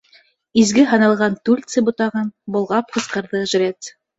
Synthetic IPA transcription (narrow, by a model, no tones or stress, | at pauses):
izɡɘɦɑ̆nɑlˠʁɑnt̪ʉlʲt̪sɘbŭt̪ɑʁɤnbŏlˠʁɑp̚qɤ̆sqɤ̆ɾðɤʒ̆ɾʲet̪